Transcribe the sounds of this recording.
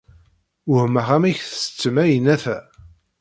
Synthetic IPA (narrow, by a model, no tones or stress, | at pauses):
ʊhmæʁæmæçθə̥sə̥t͡sːəmæjənæθæ